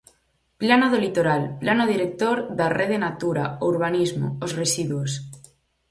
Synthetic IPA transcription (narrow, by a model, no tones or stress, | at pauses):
planoðolit̪oɾalplanoð̞iɾek̚t̪oɾðareðenat̪uɾa̰ouɾβ̞anizmo̰ozresiðwos